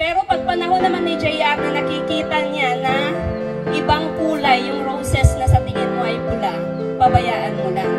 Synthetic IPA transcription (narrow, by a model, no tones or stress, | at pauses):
pɛːɾo̞pɐɡ̚pɐnɐɦo̞nːɐmanːɪd͡ʒɛjak̚nɐnɐkɪkiːt̪ɐɲanɐ | ʔɪbaŋpuːlɐjːʊŋɾowsɛsnɐsɐt̪ɪŋɪnmoʔɐjpʊlaʔ | bɐbɐjaːʔɐnmʊla